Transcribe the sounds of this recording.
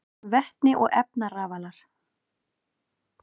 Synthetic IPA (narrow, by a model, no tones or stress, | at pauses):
vɛht̪nɪʔɔɣɛ̰pnaraːvalaɾ̥